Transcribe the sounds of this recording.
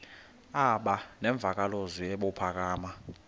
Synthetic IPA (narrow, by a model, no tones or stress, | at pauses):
aɓanɛɱb̪vʱak̬ʼaloziɛɓɔpʰak̬aːma